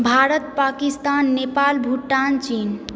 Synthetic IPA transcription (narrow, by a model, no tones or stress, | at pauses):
bʱaɾət̪pakist̪anːepalbʱuʈːant͡ʃin